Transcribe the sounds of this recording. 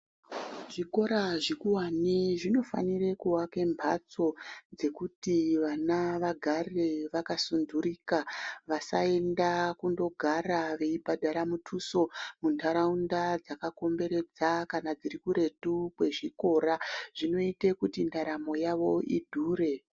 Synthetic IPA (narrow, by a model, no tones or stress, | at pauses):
ʐ̥iko̞ɾaʐikuwaneʐino̞fa̰nire̞kuwake̞mbʱa̰t͡so̞d͡ze̞kutiʋanaʋaɡʱare̞ʋakasunduriːkaʋasa̰e̞ndakundo̞ɡʱaɾaʋe̞ibʱadʱaɾamutʰuso̞muntaɾaundad͡zakako̞mbe̞ɾe̞d͡zakanad͡ziɾikuɾe̞tukwe̞ʐiko̞ːɾaʐ̥ino̞itekutindaɾamo̞jaʋo̞idʱuːɾe̞